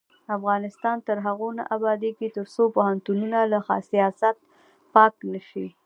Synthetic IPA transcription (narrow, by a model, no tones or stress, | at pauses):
afɣɑnɪst̪ɑnt̪əɾɦaɣona̰ʔabɑd̪eket̪əɾsopʊhant̪ununalaxɑ̰sijɑsat̪̚ | pɑknəʃi